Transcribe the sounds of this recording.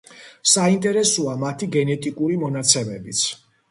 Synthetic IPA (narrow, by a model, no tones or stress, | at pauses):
saint̪ʼɛɾɛsuamat̪ʰiɡɛnɛt̪ʼikʼuɾimɔnat̪sʰɛmɛbit̪sʰ